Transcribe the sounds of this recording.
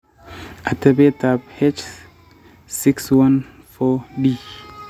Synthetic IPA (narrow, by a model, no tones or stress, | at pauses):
ʔatʰɛbɛtab̚hɛt͡ʃ | sikswãn | fɔdi